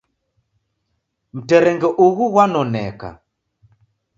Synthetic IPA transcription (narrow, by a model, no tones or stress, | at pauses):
m̩tɛɾɛŋɡɛʔuɣuɣwanɔnɛka̰